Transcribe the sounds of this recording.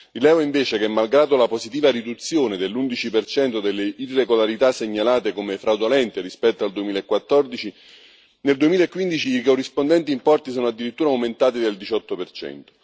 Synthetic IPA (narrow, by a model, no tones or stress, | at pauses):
ilɛːvoiɱveːt͡ʃekɛmːalɡɾaːd̪olapozit̪̬iːvaɾid̪ut̪sːjoːned̪elːund̪it͡ʃipert͡ʃɛnt̪od̪elːeirːeɡolaɾit̪asːeɲːalaːt̪ekomefɾawd̪olɛnt̪erispɛt̪ːoald̪uemiːlaekːwat̪ːɔrd̪it͡ʃi | neld̪uemiːlaekːwind̪it͡ʃiikorːispond̪ɛnt̪iːmpɔrt̪is̬ɔːnoad̪ːiɾit̪ːuːɾawment̪aːt̪id̪eld̪it͡ʃɔt̪ːopert͡ʃɛ̰nt̪o̥